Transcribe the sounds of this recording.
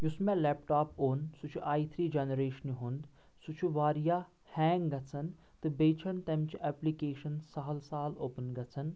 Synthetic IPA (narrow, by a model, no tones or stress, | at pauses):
jusmẽleːpʈaːpoːnsut͡ʃʰuʔaːit̪ʰɾiːd͡ʒɐnɾeːʃənjiɦund̪ | sut͡ʃʰuʋaːɾijaː | hɛ̃ːŋɡɡɐt͡sʰɐn | t̪ɨbeːt͡ʃʰɐnt̪ɐmt͡ʃiʔɛplikeːʃɐnsɐɦɐlsaːloːpənɡɐt͡sʰɐn